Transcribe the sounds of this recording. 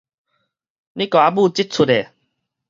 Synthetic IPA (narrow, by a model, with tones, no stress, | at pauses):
nĩ˦kɔ˨˩a˧˦bu˥˧˨t͡ɕi˦t̚t͡sʰu˨˧te˨